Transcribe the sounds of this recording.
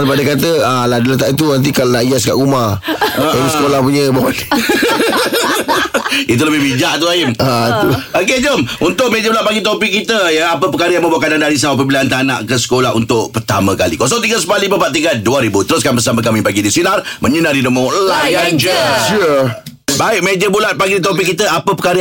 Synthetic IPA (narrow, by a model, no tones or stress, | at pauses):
npadəkat̪əaladələt̪aʔit̪̬unant̪̬ikalonaiaska̰ʔumaəaəskolahpuɲə̃bɔn | it̪̬uləbɪhbid͡ʒaʔt̪ulaɪmat̪uok̬ed͡ʒomunt̪ʊʔmed͡ʒəbəlapaɡit̪opɪkːit̪əjəapəpəkaɾəjaŋməmbaʔkanandaɾis̬aup̬əbiliant̪ana̰ʔkəsə̥kolaɦṵnt̪ʊʔpərt̪a̰məkalḭkos̬ɔŋt̪iɡəsəpalipəpaʔt̪iɡaduaɾibut̪əɾʊs̬kanbəsaməkamipaɡidisinarməɲənaɾidəmolajand͡ʒəʃu | baɪʔ̚med͡ʒəbulat̪̚paɡiit̪̬ɔpɪkːit̪əapəpəkaɾə